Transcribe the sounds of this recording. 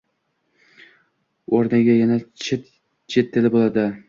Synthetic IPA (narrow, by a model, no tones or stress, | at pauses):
oɾnɪɡʲajanat͡ʃʰɪt̪ | t͡ʃʰet̪ʰːɪlɪbolˠad̪ɪ